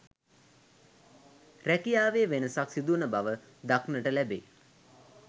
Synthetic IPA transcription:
rækijaːʋeːʋenəsaksid̪unəbaʋə | d̪aknəʈəlæbḛː

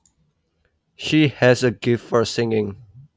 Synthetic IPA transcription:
ʃihɛzəɡɪftfɔ˞sɪ̃ŋɪ̃ŋ

